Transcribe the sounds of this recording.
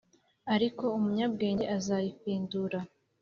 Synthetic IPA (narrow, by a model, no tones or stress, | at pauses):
aɾiko̞umuɲab̚ɡe̞ːɲɟe̞ʔazajifiːnduɾa